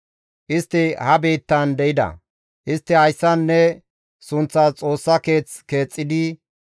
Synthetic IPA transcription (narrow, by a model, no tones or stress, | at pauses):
ʔɪst̪ːɪhɐbeːt̪ːɐnd̪ɛjɪd̪ɐ̰ | ʔɪst̪ːɪhɐjsːɐnːɛ | sʊnt͡sːat͡sʼo̞ːsːɐke̞ːt͡ske̞ːt͡sʼːɪd̪ɪ